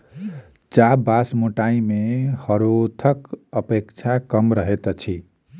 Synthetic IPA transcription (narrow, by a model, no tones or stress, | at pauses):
t͡ʃabasmoʈaimehəɾot̪ʰəkəpekt͡ʃʰakəmɾəɦet̪t͡ʃʰi